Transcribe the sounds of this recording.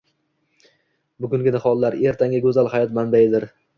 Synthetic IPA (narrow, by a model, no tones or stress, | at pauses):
bʊɡʲʊŋɡʲɪnɪhɒlˠːaɾe̞ɾt̪ʰaŋʲaɡɵzalˠhajɒt̪manbajɪd̪ɪɾ